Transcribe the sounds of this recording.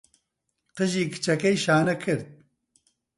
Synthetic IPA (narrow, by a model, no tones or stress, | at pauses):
t̪ɨʒiːkɨ̥t͡ʃɐkejʃaːnɐkʰɨɾd̪̚